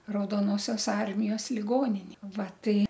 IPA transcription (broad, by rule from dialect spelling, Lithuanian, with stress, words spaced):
rɐʊdoːˈnoːsʲoːs ˈɐrʲmʲɪjoːs lʲɪˈɡoːnʲɪnʲɪ ˈʋɐ ˈtɐɪ